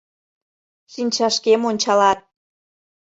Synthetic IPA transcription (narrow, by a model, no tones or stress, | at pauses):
ʃinʲt͡ɕɑʃkemonʲt͡ɕɑlɑt̪̚